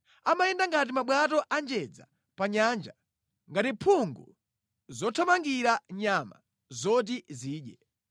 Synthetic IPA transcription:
amajɛndaŋɡat̬imaɓwatɔʔand͡ʒɛd͡za̰ | paɲand͡ʒa | ŋɡatipʰuŋɡṵ | zɔtʰɔmaŋɡiɾaɲama̰ | zɔt̬iziːɗjɛ

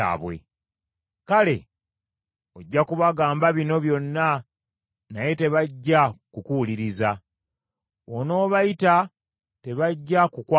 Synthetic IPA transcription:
a̰ːβwe̞̰ | kale̞̰ | o̞ɟːakuβaɡaːmbaβino̞βjo̞nːa | naje̞te̞βaɟːakukuuliɾiza | ono̞ːβajita | te̞βaɟːakukwa

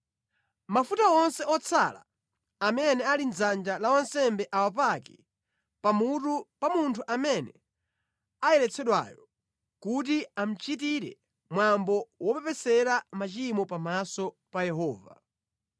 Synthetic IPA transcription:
mafutaɔnsɛɔt͡sʰala̰ | amɛnɛalinzand͡ʒalawansɛmbɛʔawap̬akɛ | pamutupamuntʰuʔamɛnɛ | ajɛɾɛt͡sʰɛɗwa̰jɔ | kut̬iam̩t͡ʃit̬iɾɛ̰ | mwambɔwɔpɛpɛsɛɾamat͡ʃimɔpamasɔ | pajɛɦɔːva̰

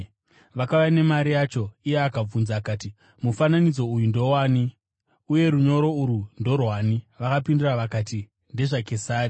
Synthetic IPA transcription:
ʋakajane̞maɾijat͡ʃo̞ijeakab͡vunzakaːti | mufananid͡zo̞ujundo̞waːni | uje̞ɾuɲo̞ɾo̞uɾundo̞rwaːniʋakapinduraʋakati | nde̞ʐake̞saːri

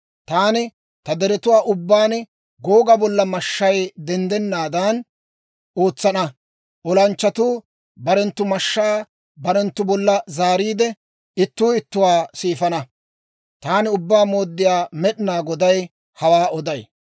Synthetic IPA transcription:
t̪aːnɪ | t̪ɐd̪ɛɾɛt̪ʊwaːʔʊbːaːn | ɡoːɡɐbɔlːɐmɐʃːɐjd̪ɛnd̪ɛnːaːd̪ɐn | ʔo̞ːt͡sːɐnɐ | ʔɔlɐnt͡ʃːɐt̪uː | bɐɾɛnt̪ːʊmɐʃːaː | bɐɾɛnt̪ːʊbɔlːɐzaːɾiːd̪ɛ | ɪt̪ːuːɪt̪ːʊwaːsiːfɐnɐ | t̪aːnɪʊbːaːmo̞ːd̪ːɪjaːmɛɗɪnaːɡɔd̪ɐj | hɐwaːɔd̪ɐj

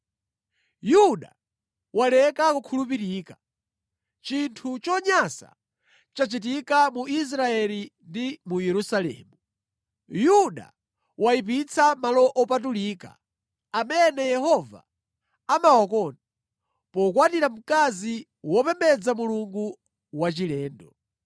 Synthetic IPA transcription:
juɗa̰ | walɛkakukʰulupiɾiːka | t͡ʃintʰut͡ʃɔɲasa̰ | t͡ʃat͡ʃit̬ikamuis̬ɾaɛlindimujɛɾusalɛ̰ːmu | juɗa̰ | waip̬it͡sʰamalɔʔɔpat̬uliːka̰ | amɛnɛjɛhɔva̰ | amawɔk̬ɔna | pɔkwatiɾam̩kazi | wɔpɛmbɛd͡zamuluŋɡu | wat͡ʃilɛːndɔ

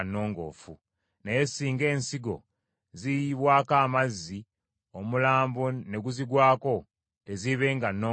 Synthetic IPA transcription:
nːo̞ːŋɡo̞̰ːfu | nejesiːŋɡe̞ːnsiɡo̞̰ | zijiβwaːkaːmazːi | o̞mulaːmbone̞ɡuziɡwaːko̞ | te̞ziβe̞ːŋɡanːo

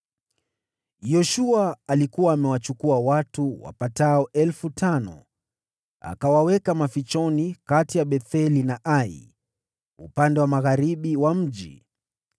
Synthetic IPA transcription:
jɔʃuaːlikuwaːmɛwat͡ʃukuawatuwa̰pataɔʔɛlfutanɔ̰ | a̰kawawɛkamafit͡ʃɔnikatijaɓɛθɛlinaʔaḭ | ṵpandɛwamaɣaɾiɓiwam̩ʄi

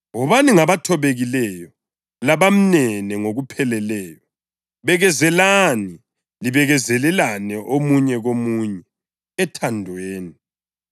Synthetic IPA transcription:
ɔβaniŋaβatʰɔβeɣilɛjɔ | laβam̩nɛnɛŋoɣupʰɛlɛlɛːjɔ | βɛɣɛzɛlani | liβɛɣɛzɛlɛlanɛʔomuɲɛɣomuːɲɛ | ɛtʰandʱweːni

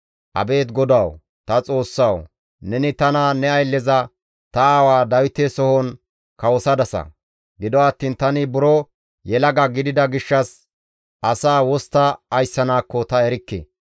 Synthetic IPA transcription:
ʔɐ̰be̞ːt̪ɡɔd̪ɐw | t̪ɐt͡sʼo̞ːsːɐw | nɛnɪt̪ɐnanɛɐjlːɛzɐ | t̪ɐaːwaːd̪ɐwɪt̪ːesɔhɔn | kɐwɔsɐd̪ɐsɐ̰ | ɡɪd̪ɔɐt̪ːiːnt̪ɐnɪbʊɾɔ | jɛlɐɡɐɡɪd̪ɪd̪ɐɡɪʃːɐs | ʔɐsaːwɔst̪ːɐːjsːɐnaːkːɔt̪ɐɛɾɪkːḛ

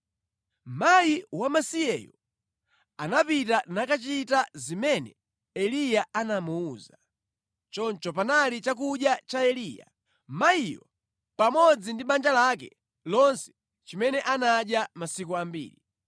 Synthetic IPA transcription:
m̩majiwamasiɛjɔ | anapitanakat͡ʃitazimɛnɛ̰ | ɛlijaanamuːza | t͡ʃɔnt͡ʃɔpanalit͡ʃak̬uɗjat͡ʃaɛliːja̰ | maijɔ | pamɔd͡zindiɓand͡ʒalakɛ | lɔnsɛ̥ | t͡ʃimɛnɛʔanaɗjamasikuambḭːli

